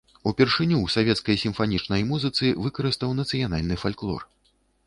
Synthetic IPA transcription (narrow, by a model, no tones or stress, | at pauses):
upʲɛrʂɨnʲuwsavʲɛt̪skɐjsʲimfanʲit͡ʂnɐjmuzɨt̪sɨvɨkɐɾɨst̪ɐwnɐt̪sɨjanalʲnɨfalʲklˠɔ̰r